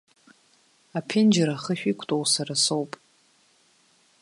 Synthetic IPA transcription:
apʰɪnd͡ʒaɾaχəʃᶣikʷʰtʼowsaɾasowpʼ

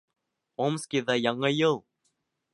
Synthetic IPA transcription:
omskʲiðajɑŋɤjɤlˠ

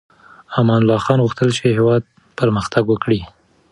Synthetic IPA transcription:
amɑnlɑxɑnɣuxt̪əlt͡ʃeɦewɑd̪̚ | pəɾməxt̪aɡwəkɽi

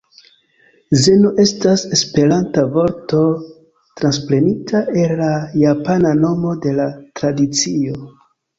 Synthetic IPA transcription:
ze̞noʔe̞stase̞spe̞ɾantavo̞ɾto̞ | tɾanspɾe̞nitʰae̞lːajapanano̞mo̞de̞latɾadit͡sio

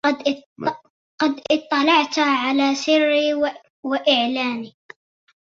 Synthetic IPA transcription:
d̪ | qɑd̪t̪ˤːɑlɑʕt̪aʕalasɪrːi | wɪʔɪʕlaːni

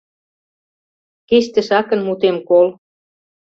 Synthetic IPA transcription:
keʃt̪ĕʃɑkɤ̆nmut̪emkol

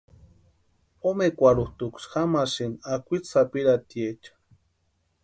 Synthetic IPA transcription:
omekʷaɾuht̪ukʷsxamasinakʷit͡ssapiɾat̪iet͡ʃḁ

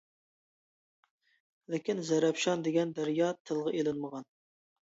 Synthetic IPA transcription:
lɪkʲinzɛɾɛpʃɑnd̪eɡʲɛnd̪æɾjɑt̪ʰɨlˠʁɑʔelɪnməʁɑn

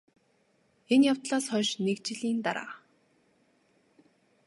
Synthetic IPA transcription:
enjawt̪ɮaːsχœːʃnekt͡ɕɪ̆ɮiːnt̪aɾa̰ː

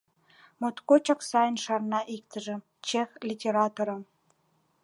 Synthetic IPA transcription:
mot̪kot͡ɕɑksɑjənʃɑrnɑʔikt̪ə̆ʒĕ | t͡ɕexlʲitʲeɾɑt̪oɾɑ

